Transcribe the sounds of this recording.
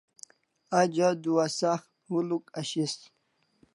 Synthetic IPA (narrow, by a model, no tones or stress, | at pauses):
ad͡ʑad̪uwasax | hulukaɕist̪